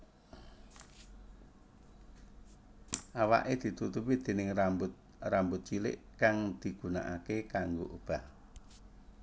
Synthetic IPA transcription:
ʔawa̰ʔed̪̥i̤t̪ut̪upid̪̥e̤nɪŋrambʊt̪̚ | rambʊt̪̚t͡ʃilɪ̰ʔkaŋd̪̥i̤ɡ̥ṳna̰ʔakekaŋɡoʔub̥ah

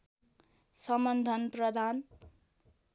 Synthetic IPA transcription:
sʌmʌnd̪ʱʌnprʌd̪ʱan

